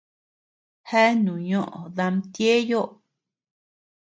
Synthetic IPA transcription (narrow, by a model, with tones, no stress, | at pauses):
he˦nũ˨ɲõ˦ʔõ̰˨ða˧mt̪je˦jo˦ʔ